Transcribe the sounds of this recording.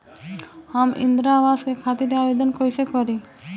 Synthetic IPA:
haːmʔɪ̰̃nd̪ɾaːʋaːskekʰaːt̪iɾaːʋed̪ənkoisekɔɾi

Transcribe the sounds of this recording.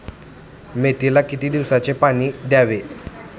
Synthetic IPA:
met̪ilakit̪iːd̪iʋsat͡sepaɽ̃iːd̪jaʋe

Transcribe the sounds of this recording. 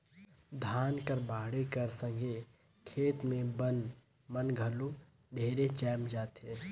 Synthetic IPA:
d̪ʱaːnkəɾbaːɽekəɾsə̃ŋɡʱe | kʰeːt̪mẽbən | mənɡʱəlu | ɖʱeːɾet͡ʃɛːmd͡ʒaːt̪e

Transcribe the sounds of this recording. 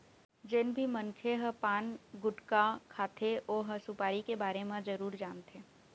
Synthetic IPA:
d͡ʒɪnbʱimənkʰeɦəpaːnɡʊʈkakʰaːt̪ʰeʔoːɦəsʊpaːɾikebaːɾemãd͡ʒəɾuːɾd͡ʒaːmt̪ʰeː

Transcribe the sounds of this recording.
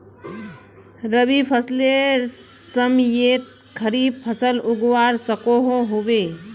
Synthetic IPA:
ɾəbipʰəsle | səmjet̪̚ | kʰəɾiːb̚pʰəsəlʊɡwaɾsəkoɦoɦobe

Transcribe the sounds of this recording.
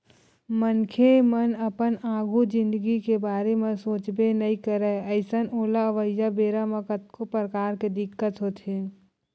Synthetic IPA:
mənkʰemənəpənaːɡud͡ʒɪ̃nd̪əɡikebaːɾemẽsoːt͡ʃbenɐĩkəɾəəɪsənoːlaəʋəjːabeːɾaməkət̪̚kopɾəkaːɾked̪ɪkːət̪ɦoːt̪eː

